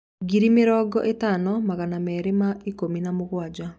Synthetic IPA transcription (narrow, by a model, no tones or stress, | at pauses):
ɡiɾimeɾɔɡɔ̰ʔetanɔmaɣanamɛɾemaikominamoɣwad͡ʒa